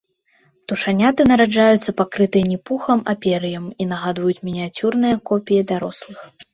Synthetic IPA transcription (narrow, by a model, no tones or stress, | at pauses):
t̪uʂanʲat̪ɨnɐɾad͡ʐajut̪sːɐpakɾɨt̪ɨjɛnʲipuxɐmapʲɛɾɨjɐminɐɣad̪vɐjut͡sʲmʲɛnʲɛt͡sʲurnɨjɐkɔpʲijid̪aɾɔslˠɨx